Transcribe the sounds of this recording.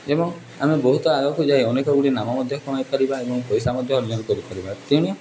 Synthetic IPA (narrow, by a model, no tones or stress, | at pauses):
ebɔŋ | amebɔɦut̪ɔaɡakud͡ʒajɔnekɔɡuɽinamamɔd̪ʱjɔkɔmajpaɾibaebɔŋkɔjsamɔd̪ʱjɔɦɔljɔnɔkɔɾipaɾibat̪iuɽ̃i